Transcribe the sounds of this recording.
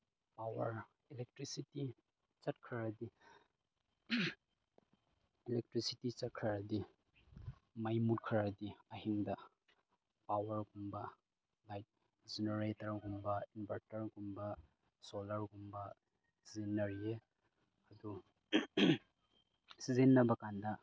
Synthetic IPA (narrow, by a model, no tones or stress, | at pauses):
pawɐɾ | ilek̚tɾisiti | t͡ʃɐt̚kʰɐɾɐdi | ilek̚tɾisitit͡ʃɐt̚kʰɐɾɐdi | majmut̚kʰɾɐdiɐhiŋdɐ | pawɐɾɡumbɐ | lajt̚ | d͡ʒeneɾetɐɾɡumbɐinbɐɾtɐɾɡumbɐ | solɐɾɡumbɐ | sizenːɐɾie | ɐdu | sizenːɐbɐkandɐ